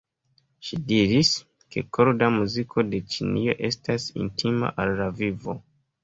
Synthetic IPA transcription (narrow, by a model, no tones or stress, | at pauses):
ʃidiɾis | ke̞̰kʰoɾdamuzikʰo̞de̞t͡ʃinio̞̰ʔe̞stasḭntʰima̰ʔalːavivo̞